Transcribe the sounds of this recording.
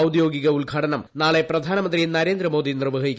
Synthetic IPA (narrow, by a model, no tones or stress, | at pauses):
ɐwud̪jo̞ːɡiɣɐulɡʱaːʈɐnɐmnaːɭe̞prɐd̪ʱaːnɐmɐnd̪ɾinɐɾe̞ːnd̪ɾɐmoːd̪inirʋɐikʲː